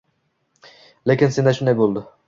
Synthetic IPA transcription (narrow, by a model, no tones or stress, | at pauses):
lekʲɪnsend̪aʃʊnd̪ajbolˠd̪ɪ